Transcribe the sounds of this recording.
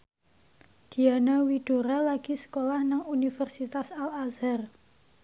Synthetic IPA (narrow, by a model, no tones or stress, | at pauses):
d̪̥i̤anawiɖ̪̥o̤ɾalaɡ̥isə̥kolahnaŋunifɛrsit̪asalazar